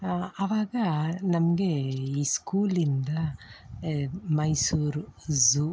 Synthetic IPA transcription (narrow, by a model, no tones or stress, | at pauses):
ɐʋaːɡɐnɐmɐɡeiskuːlind̪ɐ | mɐjsuːɾzu